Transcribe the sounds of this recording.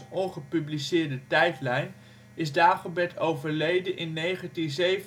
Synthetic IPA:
ɔnχəpyblisɪːɹdətɛjtlɛjn | ɪzdaːχəbɛtʰowvəɹlejdənʔɪnːejχə̃ntinzejv

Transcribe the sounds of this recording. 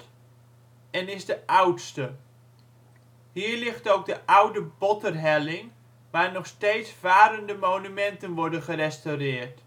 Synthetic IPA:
ɛnɪsdəʔawtstə | hiːɹlɪχtowk̚dəʔawdəbɔtərɦɛlɪŋ | ʋaːrnɔχsteːtsv̥aːɾəndəmoːnymɛntənʋɔɹdəχərɛstawrɪːrt

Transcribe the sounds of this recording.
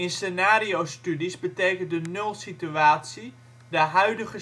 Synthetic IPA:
ɪnsenaːriowstydisbəteːkəndənølˠsityaːsi | dəɦœɥdəɣə

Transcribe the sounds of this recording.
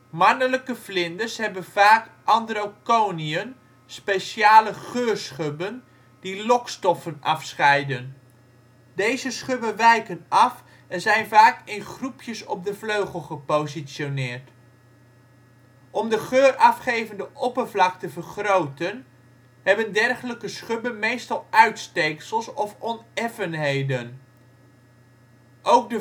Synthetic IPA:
mɑnələkəvlɪndəɹsɦɛbənv̥aːk | ʔɑndəɾowkowniən | spejʃaːləχøːrsχøbən | d̥ilɔkstɔfənʔɑfsχɛjdən | dejzəsχøbənʋɛjkənɑf | ɛnzɛjnvaːkɪnχrupʰjəsɔb̚dəvløɥχəlˠχəpowzisonɪːrt | ʔɔmdəχøːrɑfχejvəndəʔɔpəɹvlɑk̚təvərχrowtən | ɦhɛbəndɛrχələkəsχɵbənmejstɑlˠœɥtstejksəlˠsɔfɔnɛfənɦejdən | ʔowk̚də

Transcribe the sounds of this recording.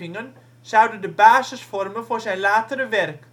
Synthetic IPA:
ɪŋən | sɑwdədəbaːzəsfɔrmənvʊːrzɛjnlaːtəɾəʋɛrk

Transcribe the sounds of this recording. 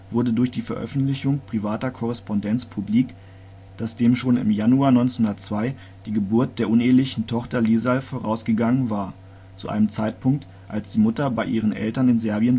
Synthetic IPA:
v̥ʊɐdədʊɐçd̥iːfɛɐʔœ̰fn̩tlɪçʊŋpʁ̥ivaːtɐkʰɔʁ̞ɛspɔndɛnt͡spʰubliːk | d̥asd̥eːmʃoːnɪ̰mjanuaːɐnɔʏnt͡snhʊndɐtt͡sv̥aɪ | d̥iːɡəbʊɐt̚d̥eːɐʔʊneːəlɪçn̩tʰɔχtɐliːzalfoːʁaʊsɡ̥əɡaŋənvaːɐ | t͡sṵʔa̰ɪnəmt͡saɪtpʰʊŋk̚t | ʔa̰lsd̥iːmʊtɐbaɪʔiːʁənʔɛ̰ltɐnɪnzɛɐbiən

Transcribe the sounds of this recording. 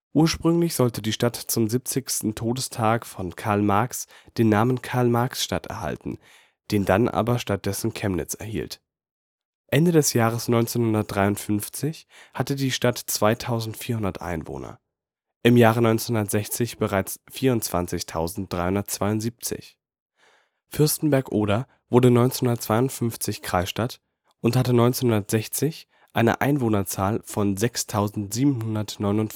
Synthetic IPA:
ʔuːɐʃpʁ̥ʏŋlɪçz̥ɔltədiːʃtatt͡sʊmzip̚t͡sɪçstn̩tʰoːdəstʰaːkfɔnkʰaɐlmaɐksd̥eːnːaːmənkʰaɐlmaɐksʃta̰tɛ̰ɐha̰ltn̩ | d̥eːndanʔa̰ːbɐʃtat̚d̥ɛsn̩kʰɛmnɪ̰t͡sɛ̰ɐhḭːlt | ʔɛndədɛsjaːʁ̞əsnɔʏnt͡seːnhʊndɐt̚d̥ʁaɪʊntfʏnft͡sɪçhatədiːʃtatt͡sv̥aɪtʰaʊzn̩tfiːɐhɦʊndɐtʔa̰ɪnvo̰ːnɐ̰ | ʔɪmjaːʁənɔʏnt͡senhʊndɐtz̥ɛçt͡sɪçb̥əʁ̞aɪt͡sfiːɐʊntt͡sv̥a̰nt͡sɪçtʰaʊzn̩t̚d̥ʁaɪhʊndɐtt͡sv̥aɪʊnz̥iːp̚t͡sɪ̰ç | fʏɐstn̩bɛɐkʔoːɾa | v̥ʊɐdənɔʏnt͡senhʊndɐtt͡sv̥aɪʊntfʏnft͡sɪçkʁ̥aɪsʃtat | ʔʊnthatənɔʏnt͡senhʊndɐtz̥ɛçt͡sɪç | ʔaɪnə̰ʔa̰ɪnvoːnɐt͡saːlfɔnzɛkstʰaʊzn̩tz̥iːbm̩hʊndɐtnɔʏnʊnt

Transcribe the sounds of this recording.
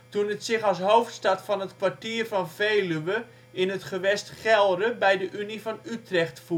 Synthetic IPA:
tunətsɪxɔlˠsɦowftstatfɔnətkʋartiərfɔnvejlyʋə | ɪnɦətχəʋɛstχɛlˠdəbɛjdəʔynifɔnytrɛxtfu

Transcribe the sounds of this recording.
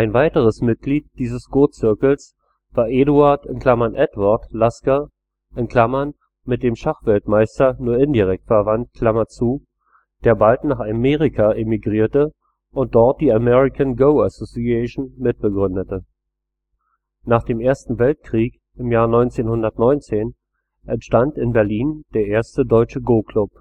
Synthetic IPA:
ʔaɪnvaɪtəʁ̞əsmɪt̚ɡ̥liːt̚d̥iːzəsɡ̥oːt͡sɪɐkl̩s | v̥aːɐʔeːɾuaɐtɪ̰nkl̥amanʔɛdvaɐtlaska | ʔɪnkʰlamɐn | mɪt̚d̥eːmʃaχv̥ɛltmaɪstɐnuːɐɪndiʁɛk̚tfɛɐvant̚kʰl̥amɐt͡suː | d̥eːɐbaltnaːχameːʁikʰaʔemiɡʁiːɐtə | ʔʊnt̚d̥ɔɐt̚d̥iːamɛʁɪkʰanɡoʊasosiɛʃn̩mɪt̚b̥əɡʁʏndətə | naːχd̥eːmʔeːɐstn̩vɛlt̚kʁ̥iːk | ʔɪmjaːɐnɔʏnt͡seːnhʊndɐtnɔʏnt͡seːn | ʔɛntʃtantɪnbɛɐliːnd̥eːɐʔeːɐstədɔʏt͡ʃəɡoːkʰlʊp̚

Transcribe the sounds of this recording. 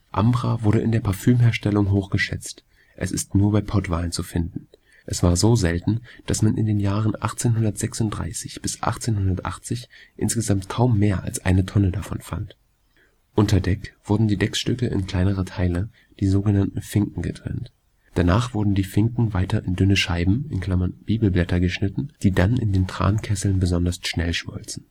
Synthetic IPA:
ʔambʁavʊɐɾəʔɪndeːɐpʰaɐfyːmheːɐʃtɛlʊŋɦoːxɡ̥əʃɛ̰t͡st | ʔɛ̰sɪstnuːɐbaɪpʰɔtv̥aːlənt͡sufɪndn̩ | ʔɛsv̥aːɐzoːzɛltn̩d̥asmanʔɪ̰ndeːnjaːʁənʔa̰χt͡seːnɦʊndɐtz̥ɛksʊntd̥ʁa̰ɪsɪçb̥ɪsʔa̰χt͡seːnhʊndɐtʔa̰χt͡sɪçʔɪ̰nsɡ̥əzamtkʰaʊmːeːɐʔa̰lsʔa̰ɪnətʰɔnədafɔnfa̰nt | ʔʊntɐdɛkv̥ʊɐdn̩diːdɛksʃtʏkəʔɪ̰nkl̥aɪnəʁ̞ɐtʰaɪlə | d̥iːzoːɡənantn̩fɪŋkŋ̩ɡətʁ̥ɛ̰nt | d̥anaːχv̥ʊɐdn̩diːfɪŋkŋ̩vaɪtɐʔɪndʏnəʃaɪbm̩ɪnkl̥amɐnb̥iːbl̩blɛtɐɡəʃnɪtn̩d̥iːdanɪ̰ndeːntʁ̥a̰ːnkʰɛsl̩nbəzɔndɐsʃnɛlʃmɔ̰lt͡sn̩

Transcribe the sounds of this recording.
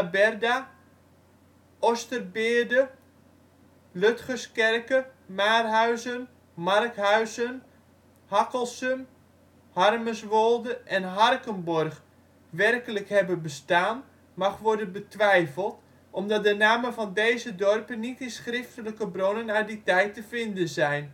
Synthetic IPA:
abɛrda | ʔostərbɪːdə | løtχəskɛrkəmaːrɦœɥzən | markhœɥzən | hakəlˠsəm | harməsʋolˠdəʔɛnɦɑrkənbɔrχ | ʋɛrkələkhɛbənbəstaːn | mɑχʋɔrdənbətʋɛjfəlˠt | ʔɔmdɑt̚dənaːməvɑndejzədɔrpənitɪnsχrɪftələkəbronənaditɛjtəfɪndənzɛjn

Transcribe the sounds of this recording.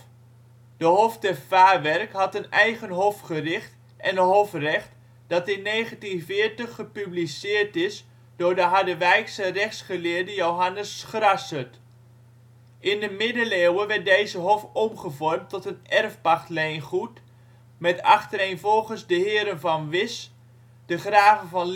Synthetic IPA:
d̥əɦɔftəfaːʋɛrkɦɑtənɛjχənɦɔfχərɪχt | ʔɛnəɦɔfrɛχt | d̥ɑtɪnːeːχəntinvɪəɹtəχːəpyblisɪːɹtɪs | d̥ʊːɹdəɦɑdəʋɛjksərɛχsχəlɪːɹdəjowɦɑnəsχrɑsət | ɪndəmɪdəleːwəʋɛt̚dejzəɦɔfɔmχəvɔrmtɔtənɛrfpɑχtlejnχut | mɛtɑ̰χtəɾejnvɔlˠχənzdəɦɪːɾənvɑnʋɪs | d̥əχraːvənvɑn

